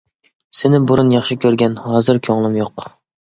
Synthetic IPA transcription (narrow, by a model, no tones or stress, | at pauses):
sɪnɪbuɾunjɑχʃikʲʰøɾɡʲɛnhɑːzɨɾkʲʰøŋlˠɪmjoq